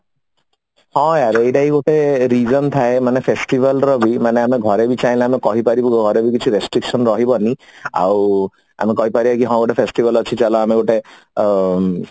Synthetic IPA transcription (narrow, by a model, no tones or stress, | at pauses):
hɔ̃jaɾejʈaɦiɡoʈeɾid͡ʒɔnt̪ʰaemanepʰesʈibalɾɔbimaneameɡʱɔɾebit͡ʃajlãamekɔɦipaɾibɔɡɡʱɔɾebikit͡ʃʰiɾesʈɾikʃɔnɾɔɦibɔnia̰w | a̰mekɔɦipaɾibakiɦɔ̃ɡoʈepʰesʈibalɔt͡ʃʰit͡ʃalɔameɡoʈe